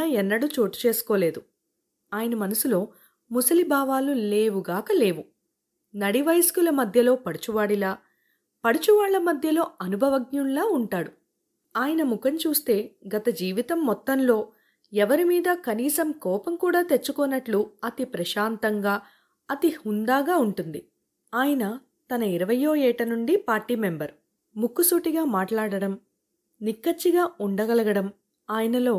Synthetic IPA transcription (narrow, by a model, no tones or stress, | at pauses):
ɐɛnːɐɽut͡ʃo̞ːʈu̥t͡ʃe̞ːsu̥ko̞ːle̞ːd̪u | aːjɐnɐmɐnɐsulo̞ː | musɐlibʱaːʋaːlule̞ːʋuɡaːkɐle̞ːʋu | nɐɽiʋɐjskulɐmɐd̪ʱjɐlo̞ːpɐɽut͡ʃuʋaːɽilaː | pɐɽut͡ʃuʋaːɭːɐmɐd̪ʱjɐlo̞ːɐnubʱɐʋɐɡɲunlaːuɳʈaːɽu | aːjɐnɐmukɐɲt͡ʃuːst̪e̞ːɡɐt̪ɐd͡ʒiːʋit̪ɐmːɔt̪ːɐnlo̞ː | ɛʋɐɾimiːd̪ɐkɐniːsɐmkɔːpɐmkuːɽaːt̪e̞t͡ʃːukɔnːɐʈluɐt̪ipɾɐʃaːnt̪ɐŋɡaː | ɐt̪ihund̪aːɡaːuɳʈund̪i | aːjɐnɐ | t̪ɐnɐiɾɐʋɐjo̞ːɛːʈɐnuɳɖipaːɾʈiːmembɐɾ | mukːusuːʈiɡaːmaːʈlaːɽɐɽɐm | nikːɐt͡ʃːiɡaːuɳɖɐɡɐlɐɡɐɽɐm | aːjɐnɐlo̞ː